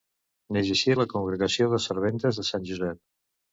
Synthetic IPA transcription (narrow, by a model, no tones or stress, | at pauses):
nezisiləkuŋɡɾəɣəsioðəsəɾβ̞ent̪əzðəsanʲʒuzɛp̚